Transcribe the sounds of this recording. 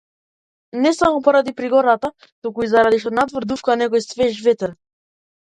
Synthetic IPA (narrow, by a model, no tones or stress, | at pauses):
nɛsamɔpɔɾad̪ipɾiɡɔɾat̪a | t̪ukuizaɾad̪iʃt̪ɔnat̪vɔɾd̪ufkanɛkɔjsvɛʒvɛt̪ɾ